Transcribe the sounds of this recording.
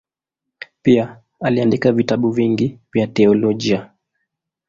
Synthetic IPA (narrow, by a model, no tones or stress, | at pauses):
pia | aliandikavitaɓuviŋɡivjat̪ɛɔlɔʄia